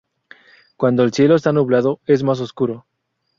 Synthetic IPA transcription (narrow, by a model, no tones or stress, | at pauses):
kwand̪oelsje̞lost̪anuβlaðoe̞zmas̬o̞skuɾo